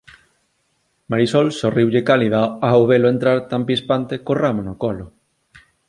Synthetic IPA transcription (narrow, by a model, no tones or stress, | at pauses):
maɾisɔlsoriwʎekaliðaawβeloent̪ɾaɾt̪ampispant̪ekoramonokɔlʊ